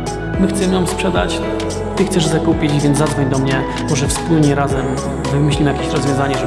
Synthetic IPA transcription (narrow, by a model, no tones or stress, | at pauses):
mɘxt̪sɛmjɔ̃mspʂɛd̪a̰t͡ɕ | t̪ɘxt̪sɛʐzakupʲid͡ʑvʲjɛnad̪zvɔɲd̪ɔmɲɛ | mɔʐɛfspulɲɛɾazɛm | vɘmɘɕlʲimjakʲe̥ɕɾɔzvʲjɔ̃zaɲɛʐ